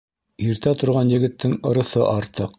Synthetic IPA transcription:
iɾt̪æt̪ŏɾʁɑnjɘ̆ɡɘ̆t̪ːɘŋŏɾɤ̆θɤʔɑɾt̪ɤq

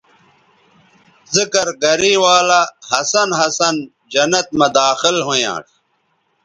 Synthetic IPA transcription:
zikɐɾɡɐɾiːwaːlahɐsɐnɦɐsɐn | d͡ʑɐnɐt̪̚mɐd̪aːxɪlɦojã̰ːʈʰ

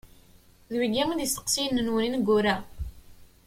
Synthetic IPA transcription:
ðwiɡimənist̪ə̥qsijnːənwəninɡʷːuɾæ

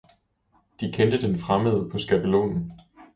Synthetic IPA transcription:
d̥ikʰend̥əd̥enfʁaməðˠpʰɒ̽sɡ̥æb̥əlo̝̰ːnn̩

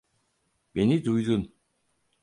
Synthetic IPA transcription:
menit̪ujd̪un

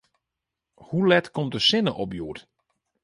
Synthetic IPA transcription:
hulɛtkɔmdəsɪnəʔɔpjuːt

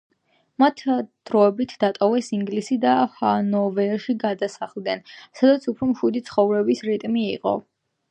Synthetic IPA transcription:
mat̪ʰd̪̥ɾɔɛbit̪ʰd̪at̪ʼɔvɛsiŋɡlisid̪ahanɔvɛɾʃiɡad̪asaχlˠd̪nɛnsad̪at̪sʰupʰɾɔmʃud̪it̪sʰχɔvɾɛbisɾit̪ʼmiːqʼɔ̰

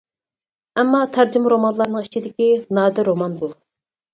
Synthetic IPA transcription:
ɛmːɑt̪ʰæɾd͡ʒɪmɾomɑnlˠɑɾnəŋit͡ʃʰid̪ɪkʲinɑːd̪ɪɾomɑnbu

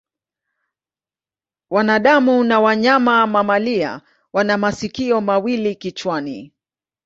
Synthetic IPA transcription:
wanaɗamunawaɲamamamalia̰ | wanamasikiɔmawilikit͡ʃwani

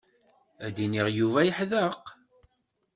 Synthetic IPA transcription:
æd̪iniʁjuvæjəħðəq

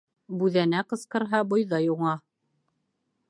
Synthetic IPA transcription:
bʉðænæqɤ̆sqɤ̆ɾɦɑbŏjðɑjuɴɑ

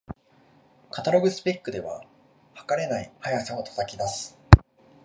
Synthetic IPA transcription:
kat̪aɾo̞ɡɯ̟sɨ̥pʲekːɯ̟d̪e̞βa̰ | hḁkaɾe̞naihajasãot̪ʰo̥t̪akʲid̪asɨ̥

